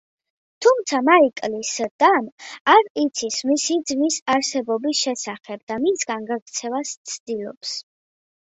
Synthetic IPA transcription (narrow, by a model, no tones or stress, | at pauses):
t̪ʰumt̪sʰamaikʼlisd̪̥amaɾit̪sʰismisid̪zmisaɾsɛbɔbisʃɛsaχɛbd̪amisɡanɡaɡɾt̪sʰɛvast̪sʰd̪̥ilˠɔ̰ps